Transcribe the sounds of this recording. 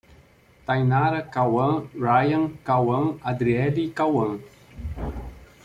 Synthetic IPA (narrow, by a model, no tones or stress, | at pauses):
t̪ajnaɾakawɐŋɾajaŋkawəŋad̪ɾiɛd̪ikawəŋ